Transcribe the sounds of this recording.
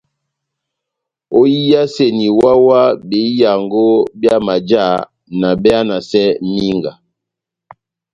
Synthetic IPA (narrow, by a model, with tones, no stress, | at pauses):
o˦ji˦ja˦se˦˨ni˨wa˦wa˦be˨˦ja˨ŋɡo˦bja˦ma˨d͡ʒa˦˨ | na˨bɛ˦a˦na˨sɛ˦mi˦ŋɡa˨